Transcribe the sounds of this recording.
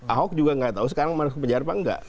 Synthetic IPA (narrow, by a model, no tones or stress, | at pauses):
ʔaɦɔk̚d͡ʒuɡaŋɡaʔt̪aus̬ə̥kaɾaŋmankpəɲd͡ʒaarpaŋɡa̰ʔ